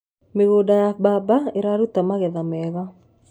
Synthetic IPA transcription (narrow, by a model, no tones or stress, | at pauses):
meɣoːdajabaːbaeɾaɾut̪amaɣɛðamɛːɣa